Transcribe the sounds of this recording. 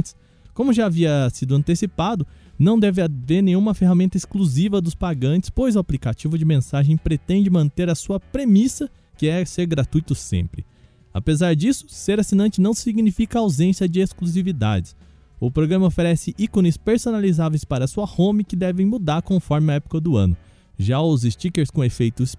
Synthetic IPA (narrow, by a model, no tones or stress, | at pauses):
t͡ʃɪ̥s | kõmʊʒaːviɐsid̪ʊɐ̃nt̪esipad̪ʊ | nɐ̃w̃d̪ɛvɪaveɾnẽjɲ̃ũmɐfeɦamẽnt̪ɐɪskluzivɐd̪ʊspaɡɐ̃nt͡ʃɪ̥spojzʊaplikat͡ʃivʊd͡ʒɪmẽsaʒẽj̃pɾet̪ẽnd͡ʒɪmɐ̃nt̪eɾɐsuɐpɾemisɐ | kɪɛseɾɡɾat̪ujt̪ʊsḛ̃mpɾɪ | a̰pezaɾd͡ʒisʊ̥seɾasinɐ̃nt͡ʃɪnɐ̃w̃ssiɡnifikɐawzẽsiɐd͡ʒɪeskluzivid̪a̰d͡ʒɪs | ʊpɾoɡɾɐ̃mɐofeɾɛsɪʔikõnɪspeɾsonalizavejspaɾɐsuɐhõmikɪd̪ɛvẽj̃mud̪aɾkõfɔɾmɪɐɛpʊ̥kɐd̪ʊɐ̰̃nʊ | ʒaʊzɪst͡ʃikeɾskõefejt̪ʊs